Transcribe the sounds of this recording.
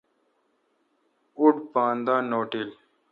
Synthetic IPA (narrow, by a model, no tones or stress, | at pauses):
uʈpãːnd̪ãːnoːʈil